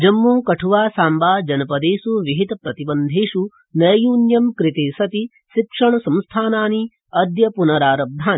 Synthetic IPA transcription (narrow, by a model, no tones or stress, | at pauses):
d͡ʒɐmːuːkɐʈʰuʋaːsaːmbaːd͡ʒɐnɐpɐd̪eːsuʋiɦit̪ɐpɾɐt̪ibɐnd̪ʱeːʂu | nɐjjuːnjɐmkɾit̪eːsɐt̪i | ʃikʂɐɳɐsɐ̃mst̪ʰaːnaːni | ɐd̪jɐpunɐɾaːɾɐb̚d̪ʱaːn